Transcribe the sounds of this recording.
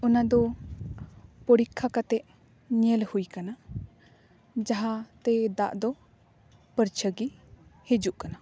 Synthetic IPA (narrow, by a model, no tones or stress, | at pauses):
ɔnad̪ɔ | pəɾikʰːakat̪ɛʔ | ɲɛlhujkana | d͡ʒaɦat̪ɛd̪aʔd̪ɔ | pəɾt͡ʃʰəɡihed͡ʒuʔkana